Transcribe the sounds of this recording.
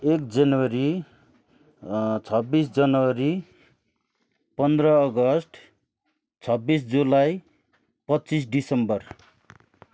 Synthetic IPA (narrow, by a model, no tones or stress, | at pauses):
ek̚d͡zʌnwʌɾi | t͡sʰʌbːisd͡zʌnʌwʌɾi | pʌnd̪rʌːɡʌsʈʰ | t͡sʰʌbːis̬d͡zulaj | pʌtːt͡sis̬ɖisʌmbʌr